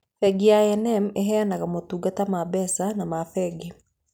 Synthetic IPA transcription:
fɛɡijaɛnɛmeɦɛanaɣamotuːɡatamabɛsanamafɛɡe

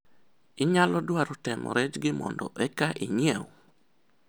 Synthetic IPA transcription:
ɪɲalɔdwaɾɔtɛmɔ̰ɾɛt͡ʃɡɪmɔ̰ndɔ̰ʔɛkaʔiɲiɛw

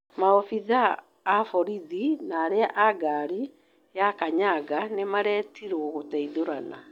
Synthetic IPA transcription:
maɔfiðaː | fɔɾiðinaːɾeaʔaɡaɾi | jakaɲaɡanemaɾɛːtiɾooɣotɛiðoɾana

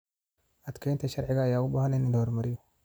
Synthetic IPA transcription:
atkantaʃaɾiɡajaubahanenidawɾmaɾio

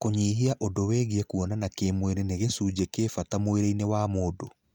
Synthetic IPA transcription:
koɲiːɦiaʔodoweːɣiɛkuɔnanakeːmweɾeneɣesuːd͡ʑekeːfatamoeɾeinewamoːdo

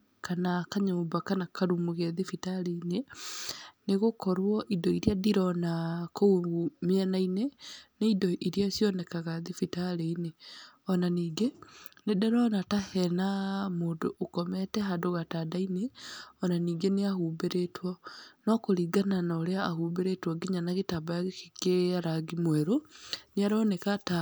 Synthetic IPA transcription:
kanakaɲoːmbakanakʰaɾumuɣɛðefitaleine | neɣokɔɾwɔʔidɔiɾiadiɾɔnakouɡumiɛnaineneidɔʔiɾiasjɔnɛkaɣaðifitaɾeineɔnaniːɡenedɛɾɔnatahɛnamoːdoʔːkɔmɛtɛɦadoɣatadaineɔnaniːɡeneahubeɾetwɔnɔkoɾiɡananaoɾeaaɦuːbeɾetwɔɡiɲanaɣetabaaɣekikeaɾaɡimwɛɾoneaɾɔnɛkata

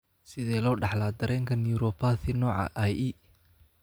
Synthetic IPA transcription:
sɪðɛːlɔːɖɑħlaːd̪ɐɾɛːŋkʰɐnjuɾɔpʰaːθɪnɔːʕɑ̰ʔaji

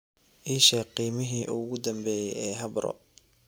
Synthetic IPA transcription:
ʔiʃɛqiːmɪɦiːʔʊɣʊd̪ɐmbɛːjɛɛːɦɐbɐɾɔ̰

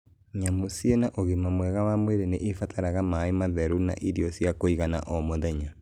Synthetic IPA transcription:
ɲamosienaʔoɣemamwɛɣawamweɾeneʔefatʰaɾaɣamaemaðɛɾuna̰ʔiɾiɔsjakoiɣana̰ʔomoðɛɲa

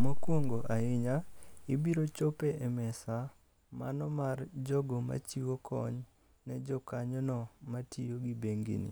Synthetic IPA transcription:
makwoŋɡoʔaɪɲaibiɾot͡ʃopeɛmɛsa | ma̰nɔmard͡ʒɔɡoma̰t͡ʃiwokʰɔ̰ɲ | nɛd͡ʒɔkaɲɔnɔmatijoɡibeŋɡḭnḭ

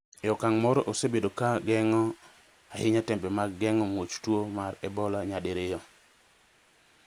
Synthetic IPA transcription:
ɛɔkaŋmɔɾɔʔosebedokaɡɛŋɔ | ahɪɲatɛmpɛmaɡɛŋɔmwot͡ʃtwomaɾɛbɔlaɲadeɾejɔ

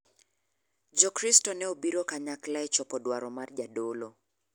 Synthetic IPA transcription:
d͡ʒɔkɾistɔnɛobiɾokaɲaklaɛt͡ʃɔpɔdwaɾɔmard͡ʒadolo

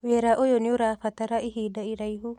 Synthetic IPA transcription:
βeɾaʔojonioɾafat̪aɾaʔiɦiːdaiɾajɦu

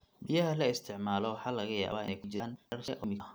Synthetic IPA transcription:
bɪjɐɦɐlɐɪst̪ʰɪʕmaːlɔwɑħɑːlɐɣɐja̰ːβaːɪ̰nɛjkʰʊt͡ʃɪaːnɐrʃɐʔʊmɪɐ

